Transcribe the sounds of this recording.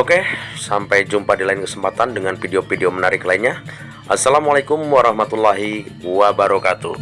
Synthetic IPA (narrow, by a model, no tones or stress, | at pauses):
okesampajd͡ʒumpadilaɪnkəsəmpat̪andəŋanfideofideomənaɾɪklainɲa | ʔasːalamalakʊmwaɾɑhmat̪ulːaɦiwabaɾɔkat̪ṵ